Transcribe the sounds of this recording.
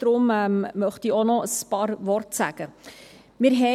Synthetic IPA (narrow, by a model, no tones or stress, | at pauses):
d̥ɾʊmɛmːœχtionɔəspɑːɾʋɔrtsæɡ̥ə | mɪːɾɦɛ